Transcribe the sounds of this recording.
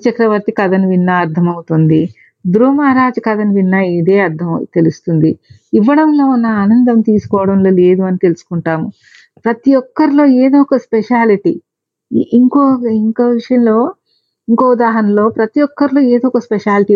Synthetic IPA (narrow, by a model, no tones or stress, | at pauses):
t͡ʃɐkɾɐʋɐɾt̪ikɐd̪ɐnʋinːɐːɾd̪ʰʱɐmɐwut̪und̪i | d̪ɾuːmaːɾaːd͡ʒɐkɐd̪ɐnʋinːɐid̪e̞ːɐɾd̪ʰʱɐmt̪e̞lust̪und̪iiʋːɐɽɐmlo̞ːunːɐaːnɐnd̪ɐmt̪iːsu̥kɔːʋɐɽɐmloːle̞ːd̪uɐnit̪e̞lusu̥kuɳʈaːmu | pɾɐt̪ijɔkːɐɾilo̞ːeːd̪oːkɐspeʃaːliʈi | iŋkoːiŋkoːʋiʂɐjɐnlo̞ː | iŋkoːud̪aːɦɐnɐlo̞ːpɾɐt̪ijɔkːɐɾilo̞ːeːd̪oːkɐspeʃaːliʈi